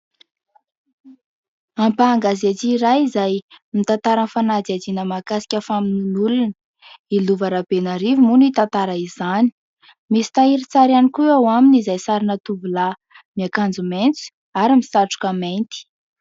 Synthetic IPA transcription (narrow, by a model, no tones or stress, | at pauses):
ampaːŋɡazat͡siːɾajizajmit̪ant̪aɾənfanad͡ziad͡zinəmakasi̥kʲafamininulunə | iluvaɾabenaɾivimunit̪ant̪aɾaizani̥ | misi̥t̪aiɾit͡saɾianikuawaminizajsaɾinət̪uvula | miakand͡zument͡su̥ | aɾimisaʈ͡ʂu̥kament̪i̥